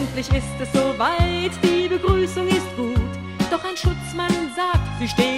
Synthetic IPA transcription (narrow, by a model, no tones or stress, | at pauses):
ntlɪçɪstɛsz̥oːvaɪtd̥iːbəɡʁyːsʊŋɪst̚ɡ̥uːt | d̥ɔχaɪnʃʊt͡smanʊntz̥aːk̚tv̥iʃteː